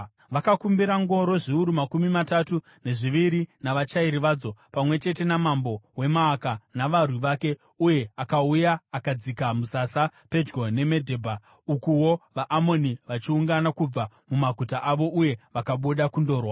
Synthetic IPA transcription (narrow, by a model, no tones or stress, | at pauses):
ʋakakumbiɾaŋɡo̞ɾo̞ʐiuɾumakumimatatu | ne̞ʐiʋiɾinaʋat͡ʃaiɾiʋaːd͡zo̞pamwe̞t͡ʃe̞te̞namambo̞we̞maːkanaʋarwiʋake̞ | uje̞akaujaːkad͡zikamusasape̞d͡ʒɡo̞ne̞me̞dʱe̞ːbʱa | ukuwo̞ʋaʔːmo̞niʋat͡ʃiuŋɡanakub͡va | mumaɡʱutaʔaʋo̞ʔuje̞ʋakaɓuɗakundo̞ːrwa